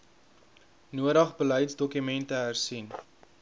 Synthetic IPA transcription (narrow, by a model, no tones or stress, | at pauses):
nuəɾəχbəlœjtsdɔkymɛntəɦærsin